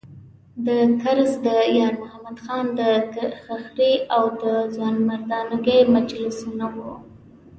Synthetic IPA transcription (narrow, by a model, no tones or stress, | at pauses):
d̪əkaɾzd̪əjɑɾmʊhamad̪xɑnd̪əkxaxɾiawd̪əzɑnmaɾd̪ɑnaɡəjmad͡ʒlɪsunawu